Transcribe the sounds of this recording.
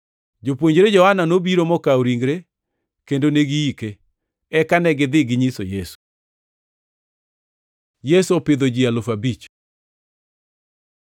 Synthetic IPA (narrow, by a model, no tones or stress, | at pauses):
d͡ʒopwoɲd͡ʒɾed͡ʒɔhananobiɾomɔkaoɾiŋɡɾe | kendoneɡiike | ɛkanɛɡɪd̪ɪɡɪɲisojesu̥ | jesuopɪd̪od͡ʒialʊfabit͡ʃ